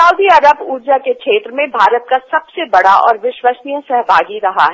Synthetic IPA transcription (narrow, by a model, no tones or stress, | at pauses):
ɐʊd̪iɐɾəbuːd͡ʒakekʃeːt̪ɾəmẽbʱaːɾət̪̚kasɐbsebɐɽaʔɔ̰ːɾʋɪʃwəsnijə̃sɛɦbʱaːɡiɾɐɦa̰ɦɛ